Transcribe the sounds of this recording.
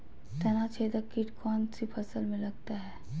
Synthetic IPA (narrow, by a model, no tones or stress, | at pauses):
t̪ɐnat͡ʃʰeːd̪əkɪʈkʰɔːnsipʰɐsəlmẽlɐɡt̪aɦɛː